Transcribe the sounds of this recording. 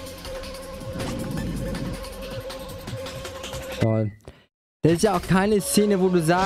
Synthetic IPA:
fɔl | d̥asɪstjaaʊxkʰaɪnəst͡seːnəvoːduːzaː

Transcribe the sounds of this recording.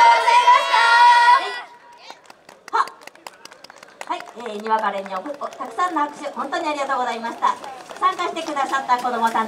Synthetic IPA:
zaimḁt̪a | ha | haieːɲ̟iβakaɾeɲ̟ːiokɯot̪akɯ̟sãnːohakɯ̟̥ɕɨhõ̞nt̪o̞ɲ̟iaɾʲiɡat̪o̞ːɡozaimaɕi̥t̪asãŋkaɕi̥t̪e̞kɯ̟d̪asat̪ːako̞d̪o̞mo̞t̪ã

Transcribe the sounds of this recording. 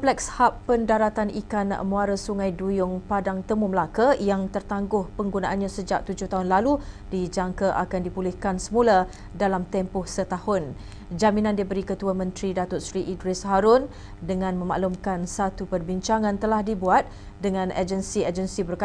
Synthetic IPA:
plɛkshapːəndaɾat̪anʔikanmũaɾəsuŋãjdujʊŋpadaŋt̪əmuməlakajaŋt̪ərt̪aŋɡʊhpəŋɡunaʔanɲasəd͡ʒak̚t̪ud͡ʒʊht̪aɦʊnlalu | d̥id͡ʒaŋkaʔakandipulɪhkansəmula | dalamt̪ɛmpɔhsət̪ahʊn | d͡ʒaminãndibəɾikət̪uamə̃nt̪ɾidat̪ʊt̪̚sɾiʔidɾɪsɦaɾʊn | dəŋãnmə̃ma̰ʔlumkansat̪upərbiɲt͡ʃaŋãnt̪əlahdibuat̪̚ | dəŋãnʔa̰d͡ʒənsiad͡ʒənsibərka

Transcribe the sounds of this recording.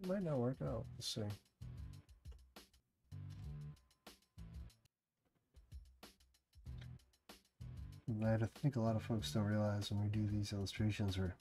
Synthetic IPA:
maɪtⁿnət̚wɜ˞kaʊt̚ðɨsẽɪm | aɪɾaθɪ̃ŋkəlɔɾʌv̥foʊksd̥õʊɹiəlaɪzwə̃nwidɨðizɪlˠəstɹ̥eɪʃɨ̃nzə˞

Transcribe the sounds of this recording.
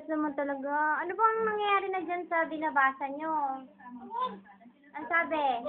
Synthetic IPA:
st̪omɐnt̪ɐlɐɡaʔɐnobɐɐŋnɐŋjɐjaːɾɪnɐd͡ʒansɐbɪnɐbaːsɐnɲo | ʔɐŋsaːbɛ

